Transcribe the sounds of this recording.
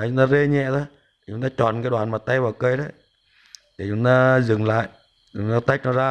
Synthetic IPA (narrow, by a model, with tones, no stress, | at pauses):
a˨˩t͡ɕʊ˨˧˦ŋ͡mt̪aː˧ze˧ɲɛ̰˧˨t̪ʰo˧˦j | t̪ʰi˨˩ʊ˨˧˦ŋ͡mt̪aː˧t͡ɕɔ̰˨˩nkaː˦jɗwaː˨˩nmaː˨˩t̚t̪a˧jvaː˨˩wkə˧jɗə˨˦j | t̪ʰi˨˩t͡ɕʊ˨˧˦ŋ͡mt̪aː˧zɨ˨˩ŋla̰ː˧˨j | t͡ɕʊ˨˧˩ŋ͡mt̪aː˧t̪a˦˥jk̚nɔ˧˦zaː˧